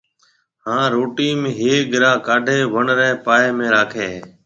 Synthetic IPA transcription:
hãːɾoːʈiːmẽːɦeːɠɪɾãːkaːɖʱeːʋəɳɾɛːpaːeːmẽːɾaːkʰeː

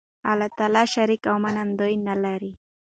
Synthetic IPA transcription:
alat̪alaʃaɾɪkawmanamd̪ojnalaɾi

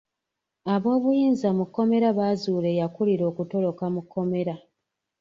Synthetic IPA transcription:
aβo̞ːβujiːnzamukːo̞me̞ɾaβaːzuːle̞jakuliɾo̞ːkuto̞lo̞kamukʰːo̞me̞ɾa

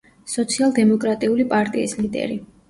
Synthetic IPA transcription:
sɔt̪sʰialˠd̪ɛmɔkʼɾat̪ʼiulipʼaɾt̪ʼiːslid̪ɛ̰ɾi

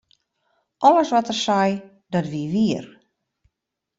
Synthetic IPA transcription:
ʔɔləsʋɔtərsɛj | dɔtʋiʋiər

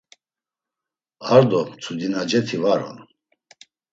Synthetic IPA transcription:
aɾd̪ɔt͡sʰud̪inad͡ʒɛt̪ʰivaɾɔ̰n

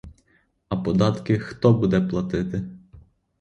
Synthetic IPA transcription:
ɐpɔd̪ɑt̪kɪxt̪ɔbud̪ɛplˠɐt̪ɪt̪ɪ

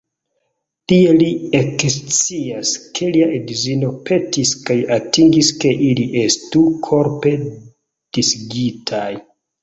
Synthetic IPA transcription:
tie̞liekst͡siaskʰe̞liaʔedzino̞pe̞tiskajatiŋɡiske̞ʔiliʔe̞stukʰo̞ɾpe̞ | d̥isɡitʰaj

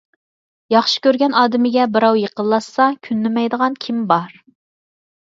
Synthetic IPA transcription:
jɑχʃi̥kʲøɾɡʲɛnɑːd̪ɪmɪɡʲɛbɪɾɑwjeqəlˠːɑsːɑkʲʰynːɪmɛjd̪əʁɑnkʲʰimbɑɾ

